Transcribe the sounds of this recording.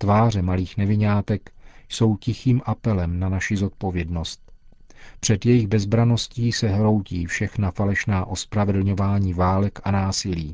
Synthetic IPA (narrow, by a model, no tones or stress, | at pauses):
t̪vaːr̝ɛmaliːxnɛvɪɲaːt̪ɛkjso̞wcɪxiːmʔapɛlɛmnanaʃɪzo̞t̪̚po̞vjɛdno̞st̪̚ | pr̝̥ɛd̪jɛjɪɣbɛzbɾano̞sciːsɛɦɾo̞wciːfʃɛxnafalɛʃnaːʔo̞spɾavɛdl̩ɲo̞vaːɲiːvaːlɛkanaːsɪliː